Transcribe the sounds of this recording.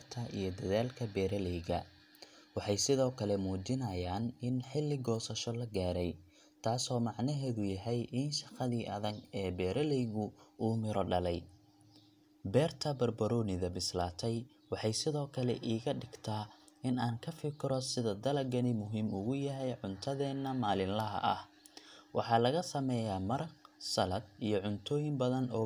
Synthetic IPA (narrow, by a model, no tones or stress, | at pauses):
rt̪ʰɐʔḭjɞd̪ɐðaːlkʰɐbɛːɾɐlɛjɣɐ̰ | wɑħɑjsɪðɔːkʰɐlɛmuːd͡ʒɪnɐjaːnɪnħɪlːɪɡɔːsɐʃɔlɐɡaːɾɛj | t̪ʰaːsɔːmɑʕnɐɦɛːðʊjɐɦɛjʔɪnʃɑqɑðiːʔɐðɐɡɛːbɛːɾʔɐlɛjɣʊuːmɪɾɔɖɐlɛj | bɛːrt̪ʰɐbɐrbɐɾɔːnɪðɐbɪslaːt̪ʰɛj | wɑħɑjsɪðɔːkʰɐlɛ̰ʔiːɣɐɖɪɡt̪ʰaː | ɪnaːŋkʰɐfɪkʰɪɾɔsɪðɐd̪ɐlɐɡɐnɪmʊɦiːmʊɣʊjɐɦɛjʕʊnt̪ʰɐðɛːnːɐmaːlɪnlɐɦɐ̰ʔɐ̰h | wɑħɑːlɐɣɐsɐmɛːjaːmɐɾɐqsɐlɐd̪̚ijɞʕʊnt̪ʰɔːjɪmbɐðɐnɔː